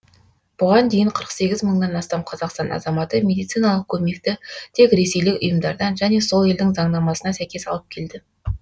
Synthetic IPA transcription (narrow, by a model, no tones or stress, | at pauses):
b̥ʊʁɑnd̪e̞jɪɴqʰəɾəqse̞ɡʲɪzməɴnɑnɑst̪ɑmqʰɑzɑqst̪ɑnɑ̰zɑmɑt̪əmʲe̞d̪ijt̪sijnɑlˠəq̚kʲʰɵme̞kt̪ɪt̪ʰe̞kɾe̞se̞jlɪkʊ̰jəmd̪ɑɾd̪ɑnʒæne̞so̞lˠe̞ld̪ɪŋzɑɴd̪ɑmɑsənɑsæjkʲe̞sɑ̰lˠəp̚kʲʰe̞ld̪ɪ